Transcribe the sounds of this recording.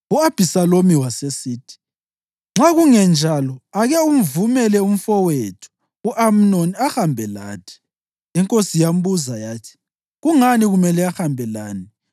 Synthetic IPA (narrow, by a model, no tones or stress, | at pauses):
uab̥ʱisalomiwasesiːtʰi̥ | ŋ͡ǁaɣuŋɛnd͡ʒʱalɔaɣɛum̩vumɛlɛum̩fɔwetʰu̥ | uʔam̩noniaxambʱɛla̰ːtʰi̥ | iŋkʼosijam̩buzajaːtʰi̥ | ɣuŋaniɣumɛlɛaxambʱɛlaːni